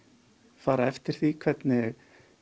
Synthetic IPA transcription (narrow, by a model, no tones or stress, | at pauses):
faːɾaɛft̪ɪɾ̥θikʰv̥ɛt̪nɪɣ